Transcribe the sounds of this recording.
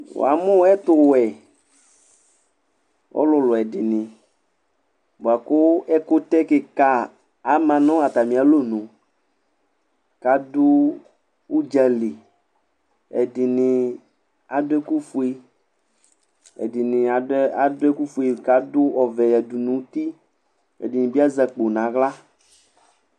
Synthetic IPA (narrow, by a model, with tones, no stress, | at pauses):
wʊ̰˨a̰˨mʊ̃˦ɛ˦t̪ʊ˦˨wɛ˨ | ɔ̰˦lʊ˨lʊ˨ɛ˨dɪ˨nɪ̃˨ | bʊ˨a˨kʊ˦ɛ˦kʊ˦t̪ɛ˦kɪ˨ka˦ | a˨mã˨nʊ̃˦a˨t̪a˨mĩ˨a˨lo˦nʊ̃˨ | ka˨dʊ˦ | wu˦d͡ʒɛ˨li˨ | ɛ̰˨dɪ˨nɪ̃˨ | a˨dʊ˦ɛ˦ku˦fu˨e˦ | ɛ̰˨dɪ˨nɪ̃˨a˨˦a˨dʊ˦ɛ˦ku˦fu˨e˨ka˨dʊ˦ɔ˨vɛ˨jɛ˨du˨nũ˨˦t̪i˦ | ɛ̰˨dɪ˨nɪ̃˨bi˦a˦zɛ˨k͡po˨nã˨˦ɣla˦